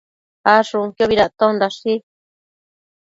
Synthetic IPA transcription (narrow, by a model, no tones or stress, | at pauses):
aʂũŋkjoβiɾat̪õnd̪aʂi